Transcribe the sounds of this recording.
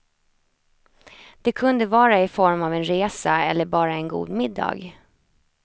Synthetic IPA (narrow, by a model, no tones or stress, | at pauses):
d̪̥ɛkʰɵnd̪əvɑːɾaɪfɔɾmavɛnɾeːsaɛ̰lːəɾbɑːɾaɛnɡṵːd̪mɪd̪ːɑ̰ːɡ